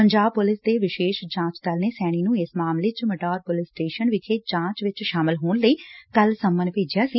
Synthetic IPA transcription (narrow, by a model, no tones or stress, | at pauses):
əɲd͡ʒaːb̚pʊlɪsd̪eːʋɪʃeːʃd͡ʒãːt͡ʃd̪əlneːsɛːɽ̃iːnũːɪsmaːmleːt͡ʃməʈaːɾpʊlɪsʈeːʃənʋɪt͡ʃeːd͡ʒãːt͡ʃʋɪt͡ʃʃaːmɪlɦoːɳləiːkəlsəmːənpeːd͡ʒijaːsiː